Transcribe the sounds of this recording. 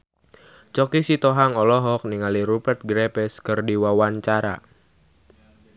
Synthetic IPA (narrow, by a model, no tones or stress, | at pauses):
t͡ʃɔkisit̪oɦaŋɔlɔɦɔk̚niŋaliɾupɛrt̪̚ɡɾepɛskɨrdiwawant͡ʃaɾa̰